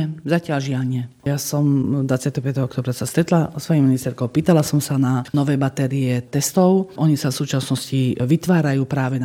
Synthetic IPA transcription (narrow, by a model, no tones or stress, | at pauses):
ɛzacɪalʒɪaɲɛjaːsɔmd̪ʋat͡sɪat̪ɛɦɔpjat̪ɛɦɔɔkt̪ɔːbɾasast̪ɾɛt̪lasʋɔjiminist̪ɛɾkɔʊpiːt̪alasɔmsananɔʋɛːbat̪ɛɾiɛt̪ɛst̪ɔʊʔɔɲisafsuːt͡ʃasnɔsciʋit̪ʋaːɾajuːpɾaːʋɛn